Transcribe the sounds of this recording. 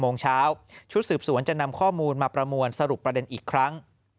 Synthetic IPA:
moː˧ŋt͡ɕʰaː˦˥wt͡ɕʰu˦˥t̪̚sɯː˨˩p̚su˨˩˦ənt͡ɕa˨˩na˧mkʰɔː˥˩muː˧nmaː˧pɾa˧mu˧ənsa˧ɾu˨˩pːɾa˧de˧nʔiː˨˩kʰːɾa˦˥ŋ

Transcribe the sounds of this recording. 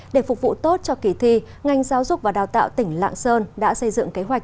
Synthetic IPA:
ɗe˧˩fʊ˨˩k̚vṵ˧˨t̪o˦˥t̚t͡ɕɔ˧ki˧˩t̪ʰi˧ | ŋa˧jŋzaː˨˦wzʊ˨˩k͡p̚vaː˨˩ɗaː˨˩wt̪a̰ː˧˨wt̪ï˧˩ŋ̟la̰ː˧˨ŋsəː˧nɗa̰ː˧˥sə˧jzɨ̰˧˨ŋke˨˦ɦwa˨˩k̚

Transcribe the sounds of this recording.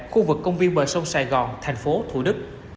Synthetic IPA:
xu˧vɨ˨˩kːə˧wŋ͡mvi˧nɓəː˨˩jsə˧wŋ͡msaː˧˩jɣɔ̰˧˨˩nt̪ʰa˨˩jŋ̟fo˨˦t̪ʰṵ˧˩ɗɨ˦˥k̚

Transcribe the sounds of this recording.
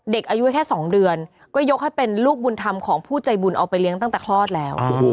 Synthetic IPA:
de˨˩k̚ʔaː˧ju˦˥kʰɛː˥˩sɔː˩˦ŋdɯ˧ən | kɔː˥˩jo˦˥k̚ha˥˩pe˧nluː˥˩k̚bu˧nt̪ʰa˧mkʰɔː˩˦ŋpʰuː˥˩t͡ɕa˧jbu˧nʔa˧wpa˧jli˦˥əŋt̪a˥˩ŋt̪ɛː˨˩kʰlɔː˥˩t̪̚lɛː˦˥w

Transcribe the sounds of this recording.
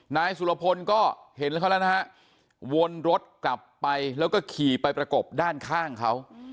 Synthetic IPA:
naː˧jsu˨˩la˧pʰo˧nkɔː˥˩he˨˩˦nlka˦˥ln˦˥˦ɦa˦˥ʔ | wo˧nɾo˦˥t̪̚kla˨˩pːa˧jlɛː˦˥wkɔː˥˩kʰiː˨˩pa˧jpɾa˧ko˨˩p̚daː˥˩nkʰaː˥˩ŋkʰa˦˥w

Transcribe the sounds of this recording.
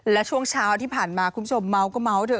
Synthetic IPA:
laː˨˩t͡ɕu˧əŋsaː˨˩wt̪ʰi˨˧˦pʰaː˧˩nmaː˨˩kʊ̰˧˥ŋ͡mzo˨˩ma˨˦wkɔ˨˦ma˨˦wtɨ̰˨˧˩

